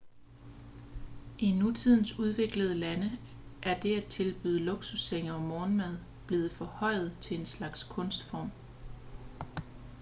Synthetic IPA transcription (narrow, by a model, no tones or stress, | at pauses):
ʔinut͡sʰið̞̰ˠn̩suð̞ˠʋe̝ɡ̥ləð̞ˠəlænə | ʔæɐd̥e̝æt͡sʰe̝lb̥y̰ːð̞ˠəlo̝ɡ̥suseŋ̰ɐɒ̽mɒːnmæð̞ˠ | b̥le̝ːð̩ˠfɒ̽hɒ̽ɪ̰ð̩ˠt͡sʰe̝enslɑ̈ɡ̥skʰɔ̽nsd̥fɒ̰ːm